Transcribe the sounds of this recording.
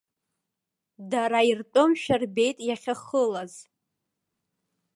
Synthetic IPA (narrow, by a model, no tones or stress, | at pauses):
daɾairtʼomʃᶣarbe̞jtʼjaχʲaχəlaz